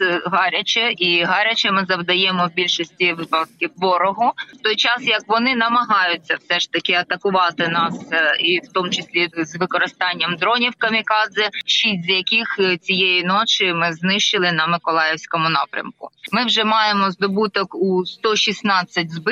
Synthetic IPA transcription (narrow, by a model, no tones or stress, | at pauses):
ɦɑɾʲɐt͡ʃɛiɦɑɾʲɐt͡ʃɛmɪzɐwd̪ɐjɛmɔbʲilʲʃɔsʲtʲiʋɪpɐt̪̚kʲɪʋɔɾɔɦɔt̪ɔjt͡ʃɑsjɐkʋɔnɪnɐmɐɦɑjʊt͡sʲːɐwsɛʂt̪ɐkɪɐt̪ɐkʊʋɑt̪ɪnɑsiwt̪ɔmʊt͡ʃɪsʲlʲizʋɪkɔɾɪst̪ɑnʲːɐmd̪ɾɔnʲiwkɐmʲikɑzɪʃʲizʲjɐkʲixt͡sʲijejinɔt͡ʃɪmɪznɪʃt͡ʃɪlˠɪnɐmɪkɔlˠɑjɪwsʲkɔmʊnɑpɾʲɐ̰mkʊ̰mɪwʒɛmɑjemɔzd̪ɔbut̪ɔkust̪ɔʃʲisnɑt͡sʲːɐt̚ʲzbɪ